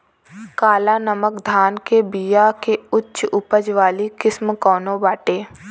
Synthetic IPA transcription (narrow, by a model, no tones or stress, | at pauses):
kaːlaːnəməkd̪ʱaːnkebijakeʊtːʃʊpəd͡ʒʋaːlikɪsmkɔːnõbaːʈeː